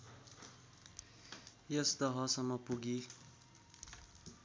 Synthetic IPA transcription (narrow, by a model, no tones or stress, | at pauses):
jʌsd̪ʌɦʌsʌmʌpuɡi